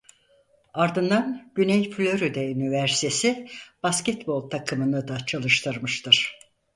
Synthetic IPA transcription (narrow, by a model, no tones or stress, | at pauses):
aɾd̪ɯnd̪anɟ̥ynɛjflʲøɾyd̪ɛynivæɾsi̥t̪ʰesib̥ascɛt̪bo̞lˠt̪ʰakʰɯmɯnɯd̪at͡ʃʰalˠɯʃt̪ʰɯɾmɯʃt̪ʰɯɾ̥